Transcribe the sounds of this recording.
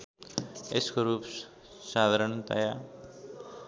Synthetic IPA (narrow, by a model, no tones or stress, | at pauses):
eskoɾup | sad̪ʱaɾənt̪a̰ja